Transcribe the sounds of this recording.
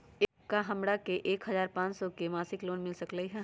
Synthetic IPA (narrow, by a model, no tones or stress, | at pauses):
kaɦɐmɽakeʔeːkɦɐzaːɾpãːt͡ʃsɔkemaːsɪkloːnmɪlsɐkləiɦɛ̃ː